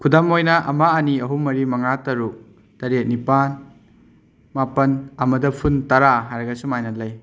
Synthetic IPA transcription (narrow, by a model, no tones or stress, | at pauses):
kʰudɐmojnɐʔɐ̰maɐniɐɦumɐɾimɐŋatɐɾuk̚ | tɐɾet̚nipan | mapɐnɐmɐdɐpʰuntɐɾaɦajɾɐɡɐsumajnɐtlɐj